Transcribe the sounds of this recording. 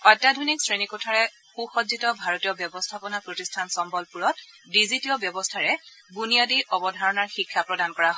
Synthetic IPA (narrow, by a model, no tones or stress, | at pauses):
ɔjtadʱɔniksɹenikutʰaɹɛ | xuxɔzitɔbʱaɹɔtijɔbjɔbɔstʰapɔnapɹotistʰansɔmbɔlpuɹɔt | dizitiɔbjɔbɔstʰaɹɛ | bunijadiʔɔbɔdʱaɹɔnaɹxikʰːapɹɔdankɔɹaɦɔ